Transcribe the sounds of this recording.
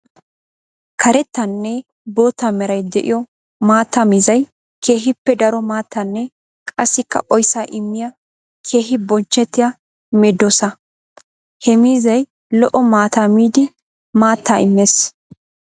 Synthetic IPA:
kʰɐɾɛt̪ːɐnːɛ | bo̞ːt̪ːamɛɾɐjd̪ɛʔɪ̰jɔ | maːt̪ːamiːzɐj | kʰe̞ːɦɪpːɛd̪ɐɾɔmaːt̪ːɐnːɛ | kʼɐsːɪkːɐ̰ʔɔjsaːʔɪmːɪjɐ | kʰe̞ːɦɪbɔnt͡ʃːɛt̪ːɪja | mɛd̪ːosɐ | hɛmiːzɐj | lɔʔɔmaːt̪amiːd̪ɪ | maːt̪ːaːɪmːeːs

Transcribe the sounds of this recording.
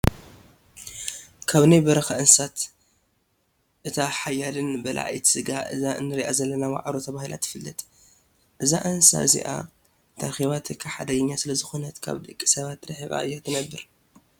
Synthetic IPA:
kʰaβnajbɐɾɐxɐʔɨnsat̪ | ʔɨt̪ʰaħajalɨnbɐlʔa̰ʔa̰jt̪ʰɨ̥sɨɡaʔɨ̰zaʔɨ̰nːɨɾiʔazɐlːɐnama̰ʕɾot̪ʰɐβahilʔa̰t̪jɪ̥fɨlːɨt̪ʼ | ʔɨzaʔɨnsa̰ɨzḭʔa̰ | t̪ʰaxiβat̪ʰɨkʰːaħa̰d̪ɐɡɐɲːasɨlɐzɨxonɐt̪kʰa̰βd̪ɨkʼːi̥sɐβat̪ːɾɨħiɣʼa̰ʔɨjːot̪ʰɨnɐbːɨɾ

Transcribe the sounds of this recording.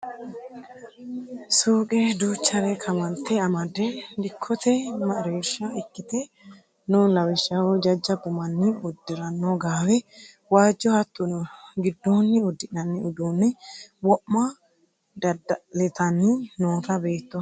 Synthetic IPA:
suːkʼɛd̪uːt͡ʃːɐɾɛkʰɐmɐnt̪ːɛɐmɐd̪ɛd̪ɪkʰːɔt̪ɛmɐʔɾeːʃːɐɪkːɪt̪ɛ | nʊlɐwɪʃɐwɔd͡ʒɐd͡ʒːɐɡʊmɐnːɪʊd̪ːɪɾɐnːoɡaːwɛ | waːd͡ʒːɔhɐt̪ːʊɡɪd̪ːonːɪʊd̪ːɪʔnɐnːɪʊd̪uːnːɛwɔʔːa | d̪ɐd̪ɐlɛt̪ɐnːɪnoːt̪ɐbe̞ːt̪ːɔ

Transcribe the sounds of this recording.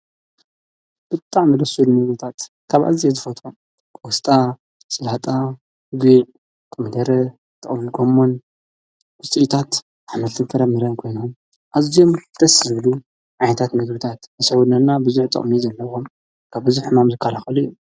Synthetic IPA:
b̥ɨt̪ʼːaʕmɐdɐsulmɨɡɨt̪ʰat̪ | kʰaβʔa̰zijezɨfɐt̪ʼom | wɔst̪ʼa | sɨlat̪ʼa | ɡiʕ | kʼɨmɨd̪ɐɾɐ | t̪ʼɨχʼmiɡomːon | wʊt͡sʼiʔt̪ʰat̪ | aħmɐlt̪ʰɨnfʰɐɾɐmɨɾɐnkʰo̞jnum | ʔazijo̞mt̪ʰɐszɨβlu | ʕajnɐt̪ʰat̪mɨɡbɨt̪ʰat̪nɐswunɐnabɨzuħt̪ʼɐ̰χʼmizɐlːɐβom | kʰaβbɨzuħɨmamzɨkʰːalaxɐluijːu

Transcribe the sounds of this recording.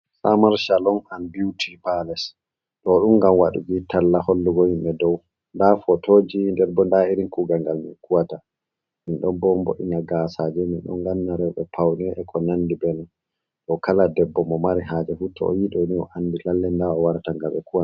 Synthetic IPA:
samaɾʃalɔnanbiwtʰipalɛs | ɗɔɗumɡamwaɗṵɡitʰalːaholːuɡɔhimɓɛdɔw | ndafɔtod͡ʒindɛɾbɔndaiɾinkuɡaŋɡalminkuwata | minɗɔnbɔmbo̰ʔḭnaɡasad͡ʒɛminɗɔ̰ŋɡanːaɾɛɓɛpʰawnɛʔɛkʰɔnanːdibɛnn | ɗɔkaladɛbːɔmɔmaɾiɦaːd͡ʒɛfutʰɔ̰ɔ̰jiɗɔniɔ̰ʔanːdilalːɛndaɔwaɾtaŋɡaɓɛ̰kuwa

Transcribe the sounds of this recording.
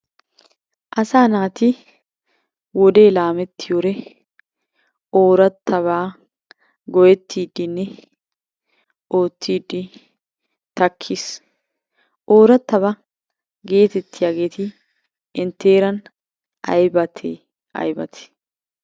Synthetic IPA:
ʔɐsaːnaːt̪ɪ | wɔd̪e̞ːlaːmɛt̪ːɪjoːɾɛ | o̞ːɾɐt̪ʰːɐβaː | ɡɔjɛt̪ːiːd̪ːɪnːɛ | o̞ːt̪ʰːiːd̪ːɪ | t̪ɐkʰːɪs | ʔo̞ːɾɐt̪ːɐβɐ | ɡe̞ːt̪ɛt̪ːɪjaːɡe̞ːt̪ɪ | ɪnt̪ːeːɾɐn | ɐ̰jbɐt̪ʰeː | ɐ̰jbɐt̪ʰɪ̥

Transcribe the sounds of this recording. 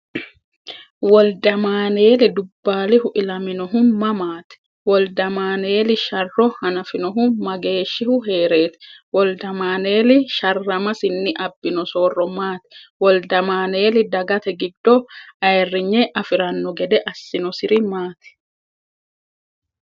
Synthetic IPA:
wɔld̪ɐmaːne̞ːlɪd̪ʊbːaːlɪhʊʔɪlɐmɪnɔɦʊmɐmaːt̪ɪ̥ | wɔld̪ɐmaːneːlɪʃɐrːɔhɐnɐfɪnɔɦʊmɐɡe̞ːʃːɪhʊɦeːɾeːt̪ɪ̥wɔld̪ɐmaːneːlɪʃɐrːɐmɐsɪnːɪʔɐbːɪnɔso̞ːrːɔmaːt̪ɪ̥wɔld̪ɐmaːne̞ːlɪd̪ɐɡɐt̪ɛɡɪd̪ːɔɐɛrːɪɲːɛʔɐfɪɾɐnːɔɡɛd̪ɛʔɐsːɪnɔsɪɾɪmaːt̪ɪ̥

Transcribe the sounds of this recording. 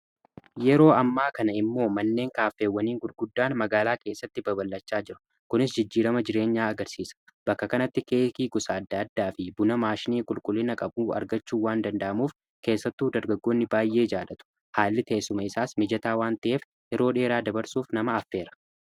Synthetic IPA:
jɛɾo̞ːɐmːaːkɐnɐɪmːo̞ːmɐnːe̞ːŋkaːfe̞ːwːɐniːŋɡʊlɡʊd̪ːaːnmɐɡaːlaːke̞ːsːɐt̪ːɪbɐbɐlːɐt͡ʃːaːd͡ʒɪɾʊ̥ | kʊnɪsd͡ʒɪd͡ʒːiːɾɐmɐd͡ʒɪɾe̞ːɲːaːɐɡɐɾsiːsɐ̥b̥ɐkːɐkɐnɐt̪ːɪkeːkiːɡʊsaːd̪ːaːd̪ːaːfɪbʊnɐmaːʃɪniːkʼʊlkʼʊlːɪnɐkʼɐbuːɐ̰ɾɡɐt͡ʃːuːwaːnd̪ɐnd̪ɐʔɐmuːf | ke̞ːsːɐt̪ːuːd̪ɐɾɡɐɡːoːnːɪbaːjʔe̞ːd͡ʒaːlɐt̪ʊ̥ | haːlːɪt̪ɐsʊmɐɪsaːsmɪd͡ʒɐt̪aːwaːnt̪ɐʔeːf | jɛɾo̞ːᶑe̞ːɾaːd̪ɐbɐɾsuːfnɐmɐːfːe̞ːɾɐ̥

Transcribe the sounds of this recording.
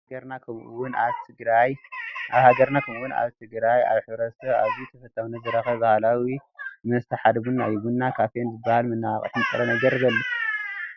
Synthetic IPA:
ɐɾnakʰɐmuwʊnat̪ʰɨɡɾajʔaβhaɡɐɾnakʰɐmuwuna̰βt̪ʰɨɡɾaja̰βħɨβɾɐsʰɐaβit̪ʰɐfɐt̪ʼːawnɐzɨɾɐxɐβbahlawimɐst̪ʰɐħad̪βunːajɡunːakʰafʰenzɨbːahalmɨnːaaχʼɐ̰t̪mɨt͡sʼɨɾonɐɡɐɾɨβɐlːu

